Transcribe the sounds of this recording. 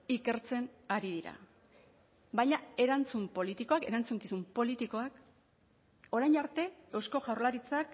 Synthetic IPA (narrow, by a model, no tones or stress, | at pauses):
ike̞ɾt͡se̞ŋaɾið̞iɾa̰ | βajɲae̞ɾant͡sumpo̞lit̪iko̞ake̞ɾant͡suŋkisumpo̞lit̪iko̞ak | o̞ɾajnaɾt̪e̞ewsko̞ɣawɾlaɾit͡sak